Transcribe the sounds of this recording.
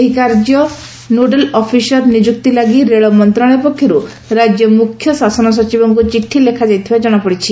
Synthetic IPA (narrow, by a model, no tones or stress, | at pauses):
eɦikaɾd͡ʒɔ | noɖelɔpʰisɔɾnid͡ʒuk̚t̪ilaɡiɾeɭɔmɔnt̪ɾaɭ̃epɔkʰːjɔɾu | ɾad͡ʒjɔmukʰːjɔsasɔnɔs̬ɔt͡ʃibɔŋkut͡ʃiʈʰːilekʰad͡ʒajt̪ʰibad͡ʒɔɽ̃apɔɽit͡ʃʰi